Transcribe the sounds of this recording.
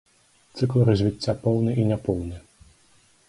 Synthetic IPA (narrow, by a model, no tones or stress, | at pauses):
t̪sɨklˠɾɐzʲvʲit͡sʲːapɔwnɨʔinʲɛpɔwnɨ